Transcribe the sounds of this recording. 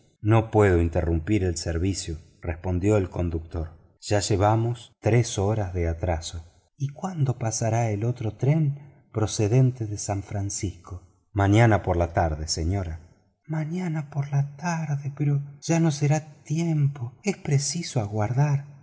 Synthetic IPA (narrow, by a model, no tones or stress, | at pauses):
no̞pwe̞ð̞oint̪erumpiɾelseɾβisjo | respo̞nd̪jo̞elko̞nd̪uk̚t̪o̞ɾ | ʒ̥aʒeβamost̪ɾesoɾazðeat̪ɾaso | ikwand̪o̞pasaɾaelo̞t̪ɾot̪ɾem | pɾoseðe̞nt̪eðesaɱfɾansisko | maɲanapoɾlat̪aɾðeseɲoɾa | maɲanapoɾlat̪aɾðepeɾoʒ̥ano̞seɾat̪jempoespɾesisoaɣwaɾðaɾ